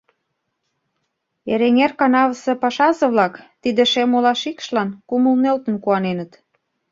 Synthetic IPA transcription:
eɾeŋerkɑnɑβəsĕpɑʃɑzɤ̆βlɑkt̪id̪ĕʃemolɑʃikʃlɑnkuməlnelt̪ə̆nkuɑnenə̆t̪

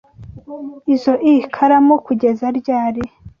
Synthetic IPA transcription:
izo̞ʔikʰaɾamokuɟe̞zaɾɟaːɾi

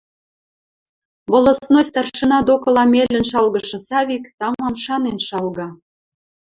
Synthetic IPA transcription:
βŏlə̆snosʲt̪ɑrʃə̆nɑd̪okɤ̆lɑmelːə̆nʃɑlɣɤ̆ʃɤ̆sɑβikt̪ɑmɑmʃɑnenʃɑlɣɑ

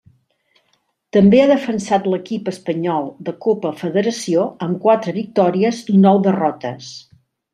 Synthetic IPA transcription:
t̪əmbeaðəfənsat̪ləkipəspəɲɔlˠd̪əkopəfəðəɾəsioəmkwat̪ɾəβik̚t̪ɔɾiəzunɔwðərɔt̪ə̰s

